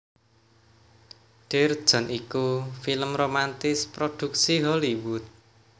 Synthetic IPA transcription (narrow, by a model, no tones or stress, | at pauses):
ɖ̪̥erd̥ʒ̥ɔ̤nikufiləmromant̪ɪspɾod̪̥ṳk̚siɦɔliwut̪̚